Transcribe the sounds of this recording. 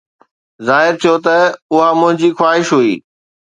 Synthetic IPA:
zaːɦɪɾt̪ʰijot̪ɐʊɦamʊ̃ɦɪ̃ɲd͡ʑixwaːɦɪʃɦuiː

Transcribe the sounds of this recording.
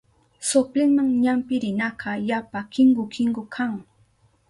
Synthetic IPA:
sʊplɪŋmaŋɲampɪɾɪnɑkʰɑjapakɪŋɢʊkʰɪŋɡʊkʰaŋ

